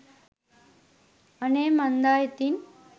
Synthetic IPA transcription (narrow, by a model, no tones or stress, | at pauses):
ənemənd̪ajt̪in